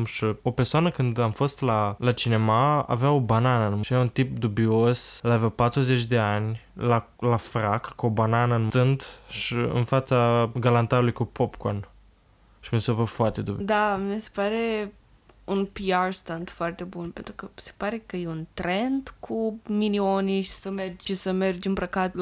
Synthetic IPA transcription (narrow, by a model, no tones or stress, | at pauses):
mʃio̞persoanəkɨnd̪amfo̞st̪lalat͡ʃine̞maa̰veaobananəɨnmʃiɾaunt̪ipd̪ubio̞səlavawpat̪ɾuzet͡ʃʲd̪e̞anʲlalafɾakkobananəɨnmt̪ɨnd̪ʃiɨ̰nfat̪saɡalant̪aɾulujkupopkon | ʃimisopəfoart̪e̞d̪ubid̪ammise̥paɾe̞ | unpiarst̪and̪foart̪e̞bunpe̞nt̪ɾukəse̥paɾe̞kəjeunt̪ɾend̪kʰuminioniʃi̥səmerd͡ʒʲʃisəme̞rd͡ʒɨnbɾəkat̪l